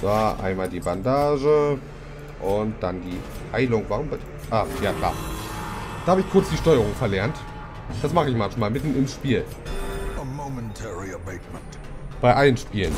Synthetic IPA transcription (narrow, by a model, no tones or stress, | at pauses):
d̥aːʔa̰ɪnmaːldiːbandaːʒə | ʔʊnt̚d̥andiː | haɪlʊŋvaʁʊmb | ʔaːjaːkl̥a̰ː | d̥aːhabəɪçkʰʊɐt͡sd̥iːʃtɔʏəʁ̞ʊŋfɛɐlɛɐnt | d̥asmaχəɪçmançmaːlmɪtn̩ɪmʃpiːl | əmoʊmɛ̃ntʰɛɹiəbeɪtmə̃nt | b̥aɪʔalənʃpiːlən